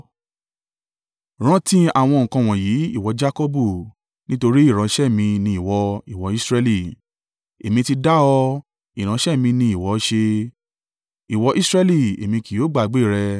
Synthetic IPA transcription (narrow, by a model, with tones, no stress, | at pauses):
ɾ̃ã˦tĩ˦a˨w̃ɔ̃˧ŋ̩̃˨kã˧w̃ɔ̃˨ji˨˦i˦˨wɔ˧˦d͡ʒa˦ko˦bu˦˨ | nĩ˦to˧ɾi˦i˦˨ɾ̃ã˨˦ʃɛ˦˨mĩ˧nĩ˧i˨wɔ˧i˦˨wɔ˧˦i˦sɾɛ˧˦li˦˨ | e˨mĩ˧ti˧da˦ɔ˧ | i˨ɾ̃ã˨˧˦ʃɛ˦˨mĩ˧nĩ˧˦i˨wɔ˨˦ʃe˧ | i˨wɔ˧ʔi˦sɾɛ˦li˦˨ḛ˨mĩ˧ki˨jo˨˦ɡ͡ba˦˨˦ɡ͡be˦˨ɾɛ˧